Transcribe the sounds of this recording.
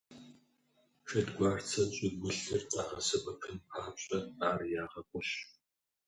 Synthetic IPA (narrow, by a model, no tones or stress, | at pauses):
ʃɐdɡʷaːrt͡sʰɐnɕʼɪɡʷʊɬɨrt͡sʼa̰ːʁɐ̰sɐbɐpʰɨnpʰaːɕʼɐaːrjaːʁɐkʷʼʊɕ